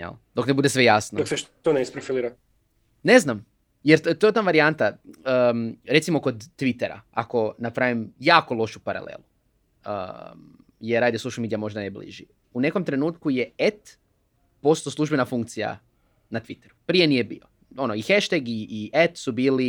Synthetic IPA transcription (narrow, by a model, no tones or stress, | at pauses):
a̰d̪o̞knebud̪esʋe̞jasnod̪okset̪oneispɾofiliːɾa | ne̞znam | jeɾt̪oet̪aʋaɾiant̪aəɾe̞t̪simo̞ko̞d̪ːʋit̪eɾa̰ako̞napɾaʋimjaːko̞lˠo̞ʃupaɾa̰lḛːlu | ə̰ | jeɾːaːd̪jesouʃlmid̪ijamo̞ʒd̪anejblḭʒi | une̞ko̞mt̪ɾe̞nuːt̪kujeet̪ | post̪oslˠuʒbe̞nafuŋk̚t̪sija̰ | nat̪ʋit̪eɾupɾije̞nije̞bḭo | o̞noixeʃt̪eɡiːʔet̪subiːli